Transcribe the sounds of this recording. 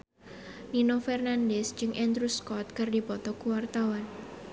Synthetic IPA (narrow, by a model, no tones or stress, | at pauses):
ninofɛrnandɛsd͡ʒɨŋʔɛnd̪ɾuskɔt̪̚kɨrdipɔt̪ɔkuwart̪awan